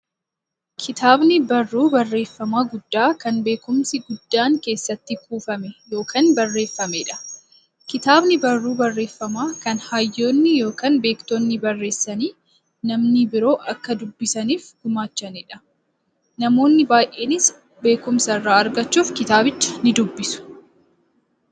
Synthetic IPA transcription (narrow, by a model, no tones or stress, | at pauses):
kʰɪt̪aːbnɪbɐrːuːbɐrːe̞ːfːɐmaːɡʊd̪ːaːkɐnbe̞ːkʊmsɪɡʊd̪̥ːaːŋke̞ːsːɐt̪ːɪkuːfɐmɛjo̞ːkʰaːnbɐrːe̞ːfːɐmɛᶑɐ̥ | kɪt̪aːbnɪbɐrːuːbɐrːe̞ːfːɐmaːkɐnhaːjːo̞ːnːɪjo̞ːkaːnbe̞ːkt̪oːnːɪbɐrːe̞ːsːɐniː | nɐmnibɪɾo̞ːʔɐkːɐd̪ʊbːɪsɐniːfɡʊmaːt͡ʃːɐnɪᶑɐ̥ | nɐmo̞ːnːɪbaːjʔe̞ːnɪs | be̞ːkʊmsɐrːaːɐɾɡɐt͡ʃːuːfkɪt̪aːbɪt͡ʃːɐ̥nɪd̪ʊbːɪsʊ̥